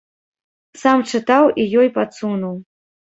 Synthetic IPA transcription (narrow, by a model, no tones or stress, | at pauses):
samt͡ʂɨt̪awijɔjpat̪sunuw